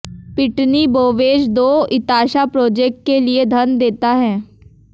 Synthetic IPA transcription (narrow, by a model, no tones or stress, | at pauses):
pɪʈniboːʋeːd͡ʒd̪oːɪt̪aːʃapɾoːd͡ʒeːk̚ʈ̚kelied̪ʱɐnd̪eːt̪aɦɛː